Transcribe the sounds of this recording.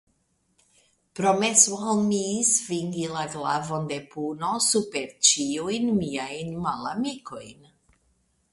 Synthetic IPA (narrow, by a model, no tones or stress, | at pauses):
pɾo̞meslmisfiŋɡilaɡlavo̞nde̞punosupe̞ɾt͡ʃiujnmiajnmalamiko̞jn